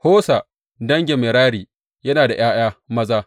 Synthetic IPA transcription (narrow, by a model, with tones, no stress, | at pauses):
hoː˦sa˨ | dɐ˦ŋɡʲɪ˨mɪ˨ɾaː˦ɾiː˨ | jɐ˦naː˨da˨j̰aː˦j̰aː˦mɐ˦zaː˦